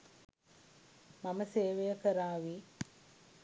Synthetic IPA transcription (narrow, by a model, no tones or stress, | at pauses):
maməseːʋejəkəɾaːʋi